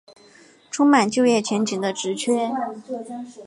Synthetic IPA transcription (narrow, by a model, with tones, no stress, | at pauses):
ʈ͡ʂʰʊ˥ŋma˨˩nt͡ɕjo˥˧ʊjɛ˥˩t͡ɕʰɥɛ˧˥nt͡ɕi˨˩ŋd̪ə˦ʈ͡ʂɻ̩˧˥t͡ɕʰɥɛ˥